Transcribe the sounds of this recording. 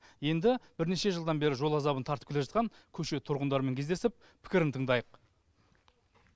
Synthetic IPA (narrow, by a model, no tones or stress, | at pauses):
je̞nd̪ɪbɪɾne̞ʃe̞ʒəlˠd̪ɑnbe̞ɾɪʒo̞lˠɑzɑbənt̪ʰɑɾt̪əpkʰʲeleʒɑt̪qʰɑŋ | kʲʰɵʃe̞t̪ʰʊɾʁənd̪ɑɾme̞ŋkʲʰe̞zd̪esɪp̚ | pʰɪ̥kʲɪɾɪnt̪ʰəɴd̪ɑjəq